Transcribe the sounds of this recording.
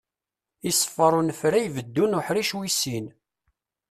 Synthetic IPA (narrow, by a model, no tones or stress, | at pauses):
isˤːə̥fːəɾˤunəfɾæjvəd̪ːunʊħɾiʃwisin